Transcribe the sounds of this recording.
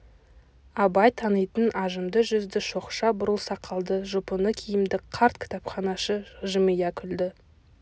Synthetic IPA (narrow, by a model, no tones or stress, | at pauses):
ɑbɑjt̪ʰɑnəjt̪ənʔɑʒəmd̪əʒʏzd̪ɪʃo̞qʃɑbʊɾəlˠsɑqʰːɑlˠd̪əʒʊpənəkʲʰijɪmd̪ɪqʰɑɾt̪kʲʰɪ̥t̪ɑpχɑnɑʃəʒəmijɑkʲʰʏld̪ɪ